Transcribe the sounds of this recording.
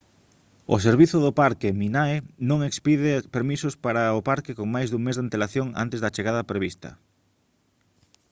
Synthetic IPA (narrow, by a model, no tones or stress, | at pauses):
ʊ̰seɾβiθʊðopaɾkɪminaenõŋekspiðɪpeɾmisʊspaɾɐopaɾkɪkoŋmajzðuŋmezðant̪elaθjoŋa̰nt̪ezðɐt͡ʃeɣað̞ɐpɾeβist̪ɐ̰